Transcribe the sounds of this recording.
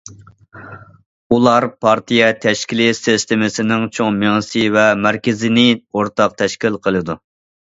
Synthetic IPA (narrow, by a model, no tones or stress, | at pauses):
ulˠɑɾpʰɑɾt̪ʰijɛt̪ʰɛʃkʲilɪsɪst̪ɪmɪsɪnɪŋt͡ʃʰoŋmeŋɨsɨvɛmɾkʲɪzɪnɪoɾt̪ʰɑq̚t̪ʰɛʃkʲilqʰəlˠɨd̪u